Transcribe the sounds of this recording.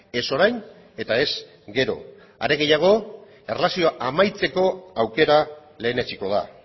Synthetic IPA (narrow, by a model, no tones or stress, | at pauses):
e̞so̞ɾajn | e̞t̪ae̞s | ɡe̞ɾo̞̰ | a̰ɾe̞ɣe̞jaɣ̞o̞ | e̞rlasio̞aʔamajt͡se̞ko̞awke̞ɾale̞ːnet͡ʃiko̞ða̰